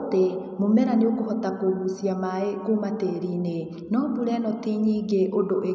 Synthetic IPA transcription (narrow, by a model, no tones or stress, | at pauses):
te | momɛɾaneokohɔtakoβusiamaekomateɾine | nɔbuɾɛnɔteɲiːɡeʔodoʔe